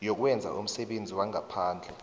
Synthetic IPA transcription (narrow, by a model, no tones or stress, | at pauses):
jok̬wɛnd͡zʱa̰ʔum̩sɛɓend͡zʱiwaŋʱapʰaːnd͡ɮʱɛ